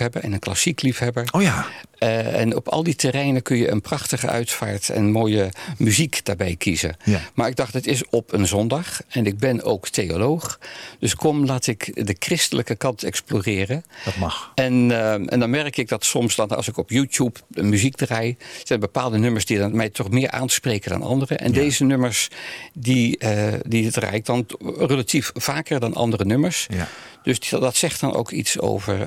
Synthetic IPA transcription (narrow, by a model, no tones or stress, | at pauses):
ɛbəɛ̰nənklɑ̰siklifɦɛbəɹa | ɛ̰nɔ̰pɑ̰lˠditəɾɛjnəkɵnjəə̰nprɑχtəχə̰ʔœ̰ɥtfa̰ːɹtɛ̰nmoːjəmyzikd̥aːɹbɛjkʰizə̰maːɹɪɡ̚dɑχtətɪsɔpʰənzɔndɑχɛnɪɡ̚bɛno̰wktejo̰lowχd̥ɵskɔmlaːtɪkdəkrɪstələkəkɑntɛ̰ksploːrɪːrətmɑɛnʔɛ̰ndɑnmɛrkɪɡ̚dɑtsɔmsdɑnɑ̰lˠsɪkɔpjuːtjupənmyzikdrajsɛjnbəpaːlˠdənɵməɹsdimɛjtʰɔχmɪːɹʔa̰ːnspreːkəndɑ̰nɑ̰ndərəʔɛ̰ndejzənøməɹsdididra̰ːjɪk̚dɑnrəlatiffaːkəɹdɑnʔɑ̰ndərənɵməɹsd̥øsdɑtsɛxt̚dɑnʔo̰wkʰḭtso̰wvə̰ɹ